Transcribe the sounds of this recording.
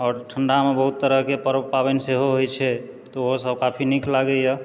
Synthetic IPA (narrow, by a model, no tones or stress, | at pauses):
ɔːɾʈʰəɳɖamebəɦut̪ːəɾəɦkepəɾəbpabɛnseɦoɦojt͡ʃʰɛ | t̪ɔoɦosəb̚kapʰiniklaɡɛjə